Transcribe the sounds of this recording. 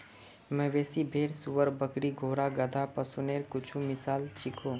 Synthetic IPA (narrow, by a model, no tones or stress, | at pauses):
mɛ̃ːʋeːsibʱeːɾsuʋəɾbəkɾiɡʱoːɾaɡəd̪ʱapɐsuneːɾkʊt͡ʃʰumɪsaːlt͡ʃɪkʰoː